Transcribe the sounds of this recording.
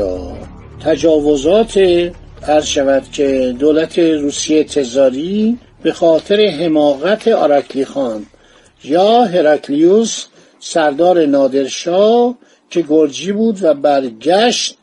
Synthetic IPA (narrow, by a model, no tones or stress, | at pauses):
t̪ʰæd͡ʒɒːvo̞zɒːt̪ʰe | æɾzʃævæd̪̥cʰe̞d̪oːlæt̪ʰe̞ɾuːsijet̪ʰe̞zɒːɾi | b̥e̞xɒːt̪ʰeɾe̞ɦe̞mɒːɣæt̪ʰe̞ɑɾɑkʰlixɒːn | jɒːɦe̞ɾɑkʰliusː | æɾd̪ɒːɾe̞nɒːd̪e̞ɾʃɒː | cʰe̞ɡoɾd͡ʒiːbuːd̪væbæɾɟæʃt̪̚